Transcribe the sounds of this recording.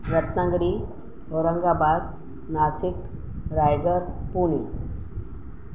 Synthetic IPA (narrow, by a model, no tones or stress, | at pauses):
ɾət̪nãɡɽi | oɾəŋɡabad̪̚ | nasik | ɾajɡəɾpuni